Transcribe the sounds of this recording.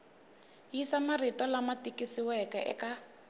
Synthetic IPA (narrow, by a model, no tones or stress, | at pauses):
jisamaritɔlamatikisiwɛkɛʔɛ̰ka